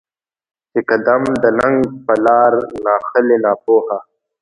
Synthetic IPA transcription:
sɪkad̪amd̪ənaŋɡpəlɑːɾnɑːxəlenɑːpoːha

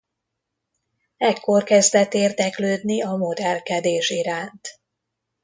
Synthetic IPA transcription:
ɛkːo̞rkɛzd̪ɛt̪ːeːrd̪ɛkløːd̪niɒmo̞d̪ɛlkɛd̪eːʃiɾaːnt̪

